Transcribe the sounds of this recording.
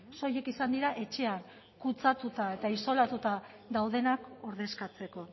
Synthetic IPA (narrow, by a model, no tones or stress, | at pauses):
so̞je̞kisand̪iɾaʔe̞t͡ʃe̞an | kut͡sat̪ut̪ae̞t̪aiso̞lat̪ut̪a | d̪awð̞e̞nako̞ɾðe̞skat͡se̞ko̞